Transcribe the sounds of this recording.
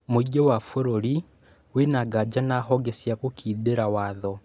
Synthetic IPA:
moiɡewafoɾoɾi | wenaɡad͡ʒanaxɔɡesjakukiːdeɾawaðɔ

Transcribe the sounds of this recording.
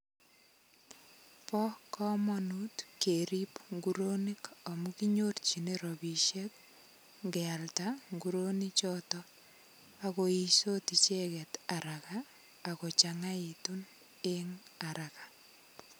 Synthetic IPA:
pɔkɔmɔnutkeɾipŋɡuɾonikamukiɲort͡ʃineɾɔbiʃet | ŋɡɛaltaŋɡuɾonit͡ʃɔtɔ | akoisotit͡ʃekɛtaɾakaː | kot͡ʃaŋaitun | eŋaɾaka

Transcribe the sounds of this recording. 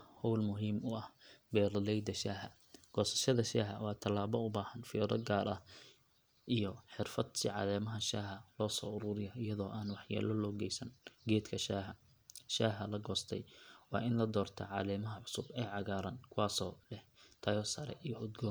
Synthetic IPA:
hɔwlmʊɦiːmʊɐhbɛːɾɐlɛjd̪ɐʃaːɦɐ | ɡ̥ɔːsɐ̥ʃɐðɐʃaːɦɐ̰wɑːt̪ʰɐlaːβɔʊbaːhɐnfɪjɔðɐ̰ɡaːɾɐ̰ | ʔijɔħɪrfɐd̪sɪʕɑ̰ðɛːmɐɦɐʃaːɦɐlɔːsɔ̰ːʊɾʊɾɪjɐɪjɐðɔːʔaːnwɑħja̰ːlɔlɔːɡɛjsɐnɡɛːd̪kʰɐʃaːɦɐ | ʃaːɦɐlɐɡɔːst̪ʰɛ̰jwɑ̰ːʔɪnlɐd̪ɔːrt̪ʰɐ̰ʕɑːlɛːmɐɦɐʕʊsʊbɛːʕɑɣaːɾɐːnkʰʊwaːsɔːlɛht̪ʰɐjɔsɐɾɛ̰ʔijɔʔʊd̪ɡɔːn

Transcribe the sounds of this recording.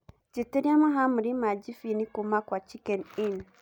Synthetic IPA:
d͡ʑitɪɾiamɪ̃ɦãmɪɾimãd͡ʑifinɪ̃kʊmãkʷat͡ɕʰikɛnɪ̃n

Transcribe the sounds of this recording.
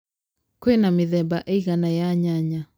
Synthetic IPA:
koenameðɛbaʔeiɣanajaɲaɲa

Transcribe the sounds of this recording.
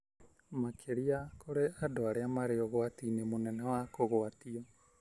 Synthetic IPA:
makʰeɾiakʰoɾeʔadoaɾeamaɾeɔɣoatinemonɛnɛwakoɣoatiɔ

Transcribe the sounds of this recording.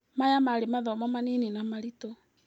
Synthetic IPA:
majamaɾemaðɔmamanininamaɾito

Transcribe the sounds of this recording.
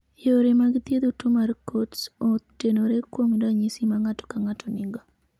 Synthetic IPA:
joɾemaɡt̪jed̪otumarkotsotenoɾekwomdaɲisimaŋatɔ̥kaŋatʰɔnɪŋɡɔ

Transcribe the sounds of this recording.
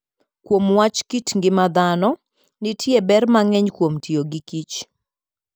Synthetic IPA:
kwomwat͡ʃkitŋɡɪmad̪anɔ | nɪtʰjebɛrmaŋɛɲkwomtʰioɡikit͡ʃ

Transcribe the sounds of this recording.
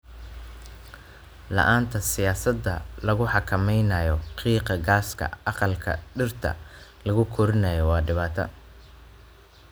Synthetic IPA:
lɑ̰ʔaːnt̪ʰɐsɪjaːsɐd̪ːɐlɐɣʊħɑkʰɐmɛjnɐːjɔqiːqɑɡaːskʰɐ̰ɑqɑlkʰɐ̰ɖɪrt̪ʰɐ̰lɐɣʊkʰɔɾɪnɐjɔwɑːɖɪβaːt̪ʰɐ̰

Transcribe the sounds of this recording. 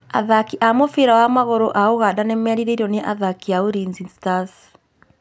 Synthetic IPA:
aðakiʔamofeɾawamaɣoɾoʔaoɣadanɛmɛɾiɾeiɾɔneʔaðakiaoɾinzistas

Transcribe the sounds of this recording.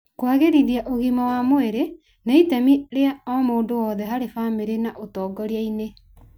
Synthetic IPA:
kwaɣeɾiðiaʔoɣimawamoeɾe | naitɛmiɾeaɔmoːndowɔðɛɦaɾefameɾenaʔotɔːɡɔɾeaine

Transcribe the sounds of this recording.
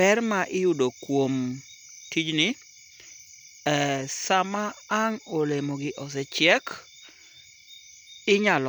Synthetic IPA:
ɛrmaʔɪjʊdokwom | tid͡ʒnɪ | ɛsamaːŋolemoɡɪʔɔs̬ɛt͡ʃɪɛk | ɪɲalɔ

